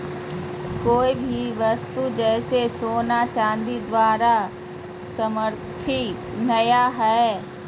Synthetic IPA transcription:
koːibʱiʋɐst̪ud͡ʒɛːsesoːnat͡ʃãːnd̪id̪ʋaːɾa | səməɾt̪ʰinɐjaɦɛɛ

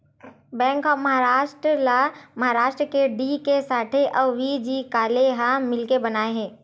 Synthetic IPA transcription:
bɛ̃ːŋkɔːmɐɦaɾaːʃʈɾəlamɐɦaɾaːʃʈɾəkeɖiːkesaːʈʰeʔɐːʋid͡ʒiːkaːleɦamɪlkebɐnaːeɦɛ̃ː

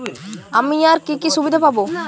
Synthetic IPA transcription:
amiaɾkikiʃubid̪ʱapabo

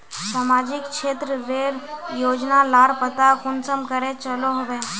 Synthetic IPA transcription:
samad͡ʑikkʂet̪ɾəʋeɾjod͡ʑnalaɽpət̪akunsəmkəɾet͡ɕəloɦoʋẽ

